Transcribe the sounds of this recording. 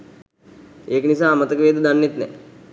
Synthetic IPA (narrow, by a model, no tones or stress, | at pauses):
eːkənisaːmət̪əkəʋeːd̪ud̪anːet̪nɛ̰